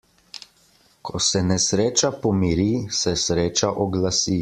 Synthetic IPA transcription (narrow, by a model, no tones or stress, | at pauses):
kʰɔsɛnɛsɾeːt͡ʃapɔmiɾisɛsɾeːt͡ʃaʔɔɡlasi